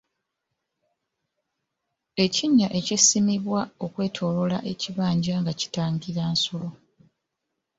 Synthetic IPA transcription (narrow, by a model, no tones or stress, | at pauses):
e̞ciɲːaʔe̞cesimiβwao̞kwe̞ːtʰo̞ːlo̞laʔe̞ciβaːɲɟaŋɡaci̥taːŋɡiɾaːnsulo̞